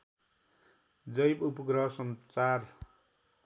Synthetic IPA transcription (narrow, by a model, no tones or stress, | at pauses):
d͡zʌjpupʌɡrʌsʌnt͡sar